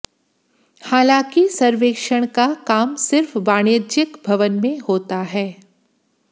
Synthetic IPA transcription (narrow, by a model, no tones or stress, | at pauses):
haːlãːkisɐɾʋeːkʃəɽ̃kakaːmsɪɾfbaːɽ̃eːd͡ʒɪkbʱɐʋənmẽhoːt̪aɦɛː